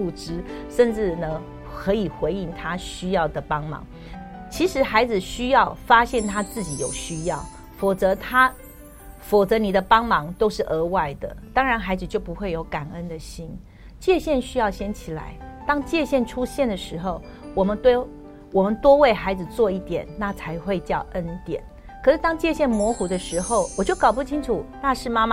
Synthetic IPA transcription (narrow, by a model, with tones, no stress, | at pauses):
u˥˧ʈ͡ʂɻ̩˥ʂə˥˧nʈ͡ʂɻ̩˥˩nə˨ | kʰɤ˧˥i˨˩xwe˧˥ɪi˥˩ŋt̪ʰa˦ɕy˥jɑ˥˩ʊd̪ə˩pɑ˥ŋmɑ̰˨˧˥ŋ | t͡ɕʰi˧˥ʂɻ̩˧˥xa˧˥ɪd͡zɹ̩˨ɕy˥jɑ˥˨˩ʊfa˥ɕjɛ˥˩nt̪ʰa˥t͡sɹ̩˥˩t͡ɕi˨˥jo˨˩ʊɕy˥jɑ˥˩ʊ | fɔ˨˩t͡sɤ˧˥t̪ʰa˥ | fɔ˨˩t͡sɤ˧˥ni˨˩d̪ə˦pɑ˥ŋmɑ˧˥ŋt̪o˥ʊʂɻ̩˥˩ʔə˧˥wa˥˩ɪd̪ə̰˩t̪ɑ˥ŋɻa˧˦nxa˧˥ɪd͡zɹ̩˨˩t͡ɕjo˥˩ʊpu˧˦xwe˥˩ɪjo˧˥ʊka˨˩nə˦˥nd̪ə˨ɕi˥n | t͡ɕjɛ˥˧ɕjɛ˥˩nɕy˥jɑ˥˩ʊɕjɛ˥nt͡ɕʰi˨˩la̰˧˥˦ɪt̪ɑ˥ŋt͡ɕjɛ˥˧ɕjɛ˥˩nʈ͡ʂʰu˥ɕjɛ˥˩nd̪ə˩ʂɻ̩˧˥xo˥˨ʊ | wɔ˨˩mə˧˦nt̪we˥ | wɔ˨˩mə˦nt̪wɔ˥we˥˩ɪxa˧˥ɪd͡zɹ̩˨˩t͡swɔ˥˧i˥˩t̪jɛ̰˨˩nna˥˨t͡sʰa˧˥ɪxwe˥˧ɪt͡ɕjɑ˥˨ʊʔə˦nt̪jɛ̰˨˩˦n | kʰɤ˨˩ʂɻ̩˥˩t̪ɑ˥ŋt͡ɕjɛ˥˧ɕjɛ˥˩nmwɔ˧˥xu˨˥d̪ə˧ʂɻ̩˧˥xo˥˩ʊwɔ˨˩t͡ɕjo˥˩ʊkɑ˨˩ʊp̬u˥˩t͡ɕʰi˥nʈ͡ʂʰu˨˩na˥˧ʂɻ̩˥˩ma˥ma˧